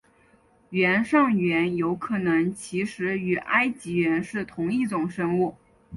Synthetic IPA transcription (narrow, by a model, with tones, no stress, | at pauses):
ɥɛ˧˥nʂɑ˥˩ŋɥɛ˧˥njo˧˥ʊkʰɤ˨˩nɤ˧˥ŋt͡ɕʰi˧˥ʂɻ̩˧˥y˨˩ʔa˥ɪt͡ɕi˧˥ɥɛ˧˥nʂɻ̩˥˩t̪ʰʊ˧˥ŋi˥˩ʈ͡ʂʊ˨˩ŋʂɤ˥ŋu˥˩